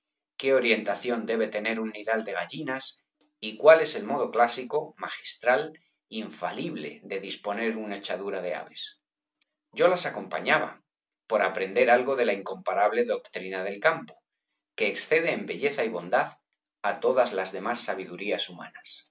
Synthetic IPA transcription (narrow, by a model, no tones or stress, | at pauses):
ke̞o̞ɾje̞nt̪aθjo̞nd̪e̞β̞e̞t̪e̞ne̞ɾuniðald̪e̞ɣ̞aʝinas | ikwale̞se̞lmo̞ð̞o̞klasiko̞maxi̥st̪ɾal | iɱfa̰liβle̞̰d̪e̞ðispo̞ne̞ɾunaet͡ʃaðuɾað̞e̞a̰βe̞s | ɟ͡ʝo̞lasako̞mpa̰ɲaβ̞a̰ | po̞ɾapɾe̞nd̪e̞ɾalɣo̞ðe̞laiŋko̞mpaɾaβ̞le̞ðo̞kt̪ɾinaðe̞lkampo̞ | ke̞ːksθe̞ðe̞ːmbe̞ʝe̞θaiβo̞nd̪að | at̪o̞ðazlazðe̞masːaβ̞iðuɾiasuma̰nas